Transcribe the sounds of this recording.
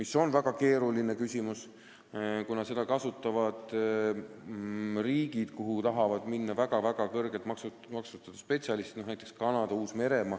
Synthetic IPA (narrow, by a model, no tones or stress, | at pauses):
miso̞nvæɡ̥ɑke̞ːɾuline̞kysʲimus | kunɑse̞d̪̥ɑkɑsut̪ːˑɑvɑd̪̥ | riːɡ̥id̪̥kuɦut̪ɑɦɑvɑd̪̥minːɑvæɡ̥ɑvæɡ̥ɑkɤrɡelt̪mɑksu | mɑksut̪ːˑɑd̪̥ɑspe̞t̪sʲɑlist̪nohnæjt̪ːˑekskɑnɑd̪̥ɑuːsme̞ɾe̞mɑ